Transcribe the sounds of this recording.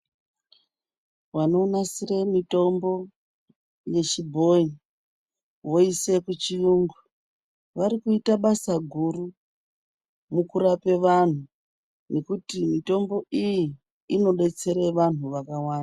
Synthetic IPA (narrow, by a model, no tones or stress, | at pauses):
wano̞nasire̞mito̞mbo̞ | je̞t͡ʃibʱo̞i | wo̞ise̞kut͡ʃijuːŋɡu | ʋaɾikuitaɓasaɡʱuru | mukuɾape̞ʋan̤u | ne̞kutimito̞mbo̞ʔijiː | no̞ɓe̞t͡se̞ɾe̞ʋan̤uʋakawaːnda